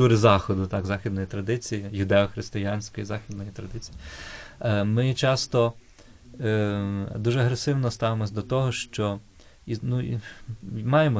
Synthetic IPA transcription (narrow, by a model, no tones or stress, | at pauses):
t̪uɾɪzɑxɔd̪ʊt̪ɑɡzɑxʲid̪nɔjit̪ɾɐd̪ɪt͡sʲijijʊd̪ɛɔxɾɪst̪ɪjanʲsʲkɔjizɑxʲid̪nɔjit̪ɾɐd̪ɪt͡sʲiji | mɪt͡ʃɑst̪ɔ | d̪uʒɛɐɦɾesɪwnɔst̪ɑʋemɔsʲd̪ɔt̪ɔɦɔʃt͡ʃɔ | inu | mɑjemɔ